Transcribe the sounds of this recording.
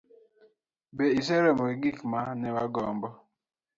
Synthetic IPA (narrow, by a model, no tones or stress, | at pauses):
beis̬eɾemoɡikmanewaɡɔm̩bɔ